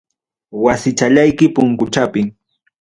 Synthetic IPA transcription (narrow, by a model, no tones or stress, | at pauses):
wasɪt͡ʃaʎajkɪpʊŋkʊt͡ʃapɪŋ